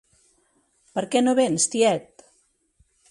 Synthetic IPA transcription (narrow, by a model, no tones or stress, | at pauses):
pəɾkɛnoβenst̪iɛt̪̚